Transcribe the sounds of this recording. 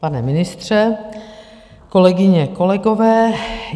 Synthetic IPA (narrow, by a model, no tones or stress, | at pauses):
panɛmɪnɪst̪r̝̥ɛ | ko̞lɛɡɪɲɛko̞lɛɡovɛː